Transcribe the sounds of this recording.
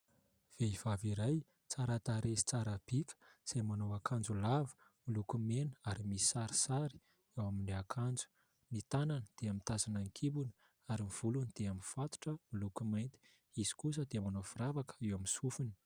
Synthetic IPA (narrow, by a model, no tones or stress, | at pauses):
v̥eiv̥aviɾaj | t͡saɾat̪aɾesi̥t͡saɾab̥ikə̥z̥ajmanowakʰand͡zulavu̥ | milukumenə̥aɾimisi̥saɾi̥saɾi̥ | ewamiɳɖ͡ʐeakʰand͡zu̥ | nit̪ananəd̪̥eamint̪azanaŋkʰibunə | aɾimiv̥ulunid̪̥eamifat̪u̥ʈ͡ʂəmilukumajnt̪i̥ | iz̥i̥kus̬əd̪emanofiɾavakə̥ewaminsufuni̥